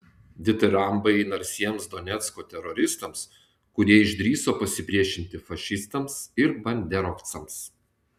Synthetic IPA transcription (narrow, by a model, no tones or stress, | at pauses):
d̪ʲɪt̪ɨɾɐmbɐɪɪnɐɾʲsʲiɛmsd̪ɔnʲɛt̪skoːt̪ʲɛɾɔɾʲɪst̪ɐms | kʊɾʲiɛɪʒʲd̪ʲɾʲiːsoːpɐsʲɪpʲɾʲiɛʃʲɪnʲt̪ʲɪfɐʃʲɪst̪ɐmsɪɾbɐnʲd̪ʲɛɾɔkt̪sɐms